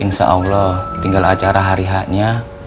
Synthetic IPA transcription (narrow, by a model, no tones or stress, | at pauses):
əŋsə̰ʔa̰wlɔt̪iŋɡalat͡ʃaɾaɦaɾiɦaʔɲa